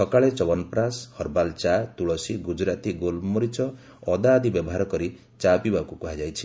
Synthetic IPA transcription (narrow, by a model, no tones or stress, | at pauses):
sʰɔkaɭet͡ʃɔbɔnpɾashɔɾbalt͡ʃat̪uɭɔsiɡud͡ʒɾat̪iɡolmɔɾit͡ʃɔ | ɔd̪aːd̪ʱibjɔbɔɦaɾɔkɔɾi | t͡ʃapibakukuɦad͡ʒajt͡ʃʰi̥